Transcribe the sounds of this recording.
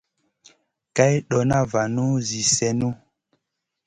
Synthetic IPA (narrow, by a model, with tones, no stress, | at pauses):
ka˦jɗɔ˨na˦va˨nu˦zi˨sɛ˨nu˦